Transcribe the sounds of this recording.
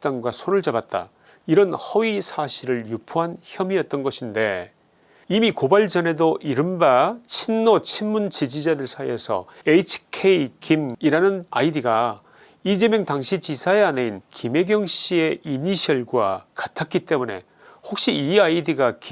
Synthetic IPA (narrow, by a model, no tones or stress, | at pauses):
t͈aŋɡwasʰoɾɯɭd͡ʑabat̚t͈a̰ | iɾʌnhʌɥisʰaɕʰiɾɯɭjupʰuɦançjʌmiʌt̚t͈ʌnɡʌɕʰinde̞ | imikobaɭd͡ʑʌne̞doʔiɾɯmbat͡ɕʰinːot͡ɕʰinmunt͡ɕid͡ʑid͡ʑadɯɭsʰaie̞sʰʌ̰eit͡ɕʰkʰeikimiɾanɯnaidiɡa | id͡ʑe̞mjʌŋtaŋɕʰit͡ɕisʰaeane̞inkʰime̞ɡjʌŋɕ͈ie̞ʔiɲiɕʰʌɭɡwa̰katʰak͈it͈e̞mune̞̰ | hok̚ɕ͈iiaidiɡak